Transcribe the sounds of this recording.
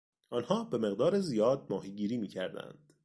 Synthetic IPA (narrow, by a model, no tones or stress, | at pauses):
ʔɒːnhɒːbe̞me̞ɣd̪ɒːɾezijɒːd̪̚mɒːɦiːɟiːɾiːmiːcʰæɾd̪æ̰nd̪̥